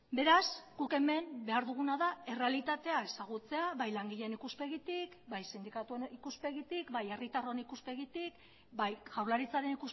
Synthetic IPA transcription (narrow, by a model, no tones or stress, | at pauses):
be̞ɾasɡ̥uke̞me̞mbe̞aɾðuɣ̞unaðae̞re̞alit̪at̪e̞ae̞saɣ̞ut͡se̞aβajlaŋɡiʎenikuspe̞ɣit̪ikbajsind̪ikat̪ueikuspe̞ɣit̪ikbaje̞rit̪aroenikuspe̞ɣit̪ik | bajʝawɾlaɾit͡saɾe̞nikus